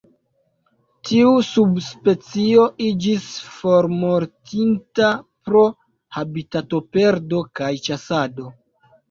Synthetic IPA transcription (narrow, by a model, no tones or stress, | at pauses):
tʰiusubspe̞t͡sio̞ʔid͡ʒisfo̞ɾmo̞ɾtʰintapɾo̞ | habitato̞pe̞ɾdo̞kajt͡ʃasado̞